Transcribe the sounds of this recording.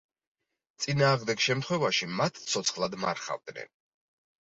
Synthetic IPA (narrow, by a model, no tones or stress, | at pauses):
t̪sʼinaːʁmd̪ɛɡʃɛmt̪ʰχwɛvaʃimat̪ʰt̪sʰɔt̪sʰχlˠad̪maɾχa̰vd̪nɛ̰n